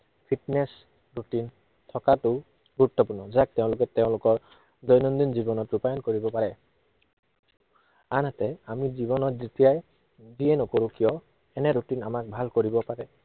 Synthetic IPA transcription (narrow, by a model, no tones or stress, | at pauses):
pʰiʈnes | ɹuʈin | t̪ʰɔkatʊ | ɡuɹut̪ːɔpuɹnɔzak̚t̪eʊ̃lʊkɛt̪eʊ̃lʊkɔɹ | d̪ɔjnɔnd̪inzibɔnɔtupajɔnkoɹibɔpaɹɛ | anat̪ɛamizibɔnɔtzit̪ijaj | dienɔkoɾũkijɔ | ɛnɛɾuʈinamak̚bʱalkoɹibɔpaɾɛ